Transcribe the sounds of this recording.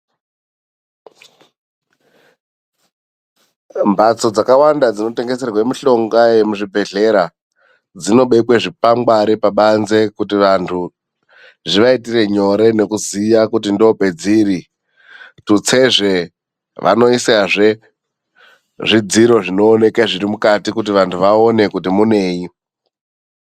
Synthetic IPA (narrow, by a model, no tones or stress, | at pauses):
mbʱat͡so̞d͡zakawandad͡zino̞te̞ŋɡese̞rwemiɬo̞ŋɡaje̞muʐibʱe̞ɮe̞ɾa | d͡zino̞ɓeikweʐipaŋɡwaɾipaɓanze̞kutiʋantʰu | ʐiʋaitire̞ɲo̞ɾe̞ne̞kuzijakutindope̞d͡ziːri | tut͡se̞ʐe̞ | ʋʔa̰no̞isaʐe | ʐid͡ziɾo̞ʐino̞ːne̞kaʐiɾimukatikut̬iʋantʰuʋaone̞kutimune̞ːji